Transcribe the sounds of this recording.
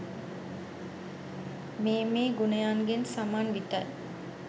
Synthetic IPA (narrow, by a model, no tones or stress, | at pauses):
meːmeːɡunejaːŋɡensamaːnʋit̪ɐj